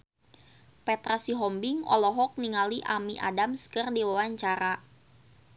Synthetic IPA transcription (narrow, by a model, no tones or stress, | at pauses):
pɛt̪ɾasiɦɔmbiŋɔ̰lɔɦɔk̚niŋaliʔamiʔa̰damskɨrdiwawaɲt͡ʃaɾa